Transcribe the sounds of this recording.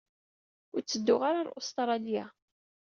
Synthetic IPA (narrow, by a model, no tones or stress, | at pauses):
ʊɾt͡sːəd̪ːʊʁaɾaɾo̰st̪ɾˤɑlija̰